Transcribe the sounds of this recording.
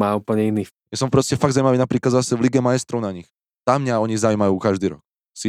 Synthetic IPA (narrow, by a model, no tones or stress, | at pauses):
maːuːpl̩ɲɛiniː | jasɔmpɾɔscɛfaɡdzawimaʋiːnapɾiːklad̪zasɛʋliɡɛmajɛst̪ɾɔʊnaɲix | t̪amːɲaɔɲizawiːmajuːkaʒd̪iːɾɔ̰k | si